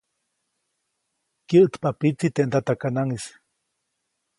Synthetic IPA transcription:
kjəʔt̪papit͡s̪it̪eʔnd̪at̪akanaŋis

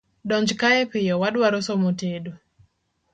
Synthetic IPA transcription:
ɗɔɲd͡ʒkaɛpɪjɔwaɗwaɾosɔmotedu

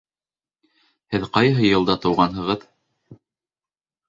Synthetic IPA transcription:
hɘðqɑjɦɤjɤ̆lˠd̪ɑt̪ɤ̆wʁɑnɦɤ̆ʁɤð

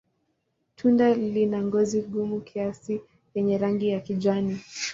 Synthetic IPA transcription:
tʰundalinaŋɡɔziɠumukʰiasi | jɛɲɛɾaŋɡijakiʄani

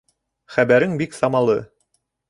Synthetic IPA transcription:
χæbæɾɘŋbiksɑmɑlˠɤ

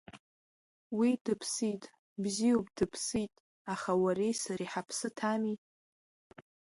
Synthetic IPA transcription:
widɨpʰsitʼ | bziopʼdɨpʰsitʼ | aχawaɾejsaɾiħapʰsɨtʰami

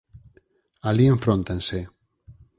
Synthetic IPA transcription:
alieɱfɾont̪ense

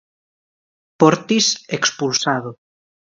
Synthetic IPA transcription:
poɾt̪isekspulsaðo

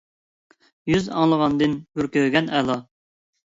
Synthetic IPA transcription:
jyzɑ̰ŋlˠəʁɑnd̪ɨnhyɾkʲøɡʲɛnɛlˠɑ

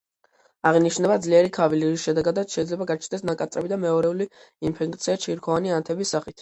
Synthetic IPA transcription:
aʁiniʃnɛbad̪zliɛɾikʰaviliɾisʃɛd̪ɛɡad̪at̪sʃɛid̪zlɛbaɡat͡ʃʰnɛsnakʼat̪sʼɾɛbid̪amɛɔɾɛuli | inpʰɛk̚ʼt̪sʰiat͡ʃʰiɾkʰɔvaniant̪ʰɛbisːaχit̪ʰ

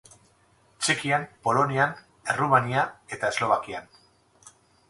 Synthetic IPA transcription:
t͡ʃekiampo̞lo̞nian | e̞rumaniae̞t̪ae̞zlo̞β̞akian

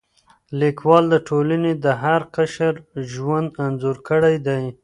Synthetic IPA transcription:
likwɑld̪əʈʰolaned̪əɦaɾqaʃəɾʒwand̪anzuɾkəɽajd̪aj

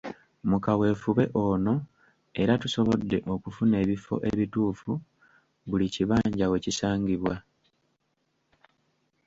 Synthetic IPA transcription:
mukawe̞ːfuβe̞ʔo̞no̞ | e̞ɾatuso̞βod̪ːe̞ʔo̞kufune̞ːβifo̞̰ʔe̞βituːfu | βuliciβaːɲɟawe̞cisaːŋɡiβwa

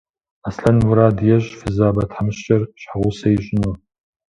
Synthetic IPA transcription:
asɬɐnwuɾaːdjɛʒʼfɨzaːbɐtʰħamɨʃt͡ʃʼɐrɕħaʁʷʊsɐjiɕʷʼɪnu

